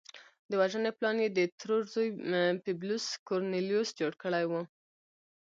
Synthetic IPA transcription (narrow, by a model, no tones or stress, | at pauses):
d̪əwaʒəneplɑnjed̪ət̪ɾoʒzojpɪbluskoɾnelijusd͡ʒoɽkəɽajwu